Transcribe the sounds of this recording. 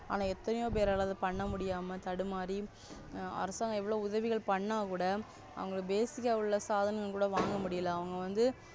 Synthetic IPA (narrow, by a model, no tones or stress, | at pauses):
a̰ːnaːɛt̪ːɐnɐjoːp̬eːɾɐːlaːðɯpɐɳːɐmʊɽɪjaːmɐt̪ɐɽɯmaːɾɾi | ɐ̰ɾɐsaːŋɡɐɛʋːɐɭoːʊðɐʋɪɣɐɭpɐɳːaːkuːɽɐ | ɐ̰ʋɐŋɡɐɭɯbeːsɪkːɐɯɭːɐsaːðɐnɐŋɡɐɭkuːɽɐʋaːŋɡɐmʊɽɪjɐlãːɐʋɐŋɡɐʋɐnd̪ɯ